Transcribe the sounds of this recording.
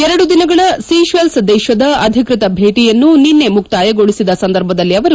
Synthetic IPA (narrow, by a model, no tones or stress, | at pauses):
ɛɾɐɽud̪inɐɡɐɭɐsiːʃʋelsd̪ɛːʃɐd̪ɐɐd̪ʱikɾut̪ɐbʱeːʈijɐnːuninːe̞mukt̪aːjɐɡo̞ɭisid̪ɐsɐnd̪ɐɾbʱɐd̪ɐlːiɐʋɐɾ